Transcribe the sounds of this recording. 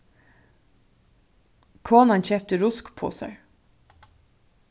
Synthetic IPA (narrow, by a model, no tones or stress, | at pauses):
kʰoːnɑnçɛːp̚t̪əɾʊskpʰo̰ːsæ̰